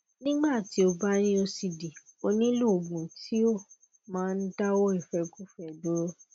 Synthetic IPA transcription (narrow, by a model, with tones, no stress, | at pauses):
nĩ˦ɡ͡ba˦˨ti˨˦o˧ba˦ɾ̃ĩ˦o˧si˨di˨o˧nĩ˦lu˦o˨ɡ͡bũ˨tʰi˨˦o˦˨ | mãː˦˧n̩˦da˦wɔ˦i˦˨fɛ˧ku˦fɛ˦˨do˦ɾo˦